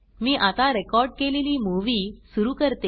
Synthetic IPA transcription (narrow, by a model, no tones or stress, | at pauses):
miːʔat̪aɾekɔɾɖ̚keleliːmuʋiːsuɾuːkəɾt̪e